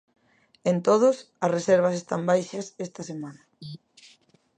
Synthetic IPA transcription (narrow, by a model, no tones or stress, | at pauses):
ent̪oð̞ʊs | ɐsreseɾβ̞ɐsest̪ambajʃɐsest̪ɐsemãnɐ